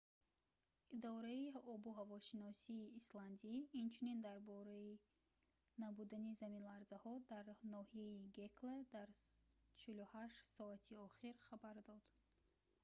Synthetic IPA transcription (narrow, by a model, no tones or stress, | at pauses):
id̪ɔɾaiɔbuɦavɔʃinɔsiːsland̪iːnt͡ʃʰunind̪aɾbɔɾai | nabud̪anizaminlaɾzahɔd̪aɾnɔhieiɡekled̪aɾt͡ʃʰiluhaʃt̪sɔat̪ʰiɔχiɾχabaɾd̪ɔd̪̥